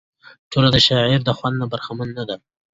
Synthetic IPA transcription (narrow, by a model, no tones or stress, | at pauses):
ʈʰolad̪əʃaʕiɾd̪əxwand̪nabaɾxamanːad̪a